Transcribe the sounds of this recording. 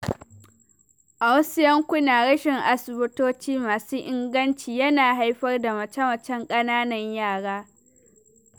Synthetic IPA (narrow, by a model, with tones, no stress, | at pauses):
ʔa˨wɐ˦sɪ˦jɐ˦ŋkʷʊ˦naː˨ɽɐ˦ʃɪ˨ŋʔa˨sʊ˨bʊ˦toː˦t͡ʃiː˦maː˨suː˦ʔɪ˦ŋɡɐ˦nt͡ʃiː˨jɐ˦naː˨ɦa˦jɸɐ˦rda˨mɐ˨t͡ʃɐ˦mɐ˨t͡ʃɛ˦ŋkʼɐ˦naː˦nɐ˨ɲjaː˦˨ɽaː˦